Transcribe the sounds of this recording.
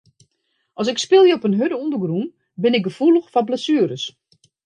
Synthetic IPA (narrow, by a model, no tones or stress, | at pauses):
ʔɔs̬ɪkspɪlˠjəɔpənɦødəundəɡrum | bɪnɪk̚ɡəfulˠəxfabləsyːəɾəs